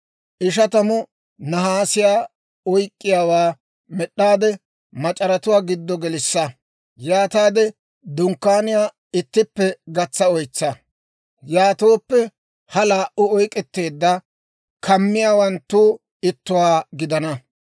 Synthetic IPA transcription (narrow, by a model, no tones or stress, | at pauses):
ʔɪʃɐt̪ɐmʊ | nɐɦaːsɪjaː | ɔjkʼːɪjaːwaː | mɛɗːaːd̪ɛ | mɐt͡ʃʼɐɾɐt̪ʊwaːɡɪd̪ːɔɡɛlɪsːɐ | jaːt̪aːd̪ɛ | d̪ʊŋkːaːnɪjaː | ɪt̪ːɪpːɛɡɐt͡sːɐɔjt͡sːɐ | jaːt̪o̞ːpːɛ | hɐlaːʔʊɔjkʼːɛt̪ːe̞ːd̪ːɐ | kʰɐmːɪjaːwɐnt̪ːuː | ɪt̪ːʊwaːɡɪd̪ɐnɐ